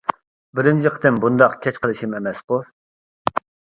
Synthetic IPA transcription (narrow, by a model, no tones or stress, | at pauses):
bɪɾɪnt͡ʃʰiqʰət̪ɪmbund̪ɑqkʲʰɛt͡ʃqʰəlˠɨʃimemɛsqʊ